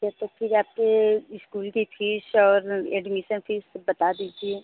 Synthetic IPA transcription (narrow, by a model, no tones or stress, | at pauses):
d͡ʒɛt̪ək̚pʰɪɾaːp̚keɪskuːlkifʰiːʃɔːɾɛ̰ːɖmiʃənpʰiːʃbɐt̪ad̪iːd͡ʒie